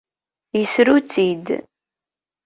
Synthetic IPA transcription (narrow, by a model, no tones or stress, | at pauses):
jəsɾut͡sːid̪